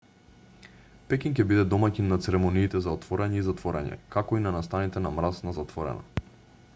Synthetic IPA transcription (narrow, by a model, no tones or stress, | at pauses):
pɛkink̬ʲɛbid̪ɛd̪ɔmacinnːat̪sɛɾɛmɔniːt̪ɛzaɔt̪vɔɾɛɲɛizat̪vɔɾɛ̰ɲɛ̰kakɔinanast̪anit̪ɛnamɾasnazat̪vɔɾɛ̰na̰